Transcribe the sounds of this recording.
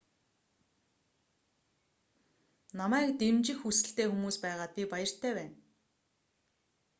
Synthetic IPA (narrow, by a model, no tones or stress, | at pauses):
namæːkt̪emt͡ɕɪ̆xːusɘ̆ɬt̪eːxumuːspæːʁaːt̪̚pʲipajə̆r̥t̪ʰæːpæːn